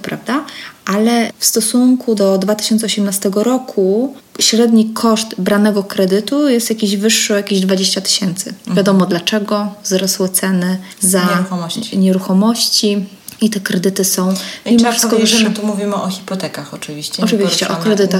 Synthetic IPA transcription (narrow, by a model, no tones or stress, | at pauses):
pɾavd̪aʔalɛfst̪ɔsuŋkʰud̪ɔd̪vat̪ɘ̥ɕɔnt̪sɛɔɕɛmnast̪ɛɡɔɾɔkʰu | ɕɾɛd̪ɲikʰɔʂt̪bɾanɛɡɔkɾɛd̪ɘt̪ujɛst̪jakʲiʑvɘʂːɔjakʲiʑd̪vad͡ʑeɕt͡ɕat̪ɘ̥ɕɛnt̪sɘ̰vʲjad̪ɔmɔd̪lat͡ʂɛɡɔvzɾɔswɛt̪sɛnɘ | za | ɲɛɾuxɔmɔɕt͡ɕi | it̪ɛkɾɛd̪ɘt̪ɘsɔ̃w̃ʲimɔʂskɔvʂt̪umuvʲimɘʔɔxʲipɔt̪ɛkaxɔt͡ʂɨvʲiɕt͡ɕɛɔʈ͡ʂɨvʲiɕt͡ɕɛʔɔkɾɛd̪ɘt̪a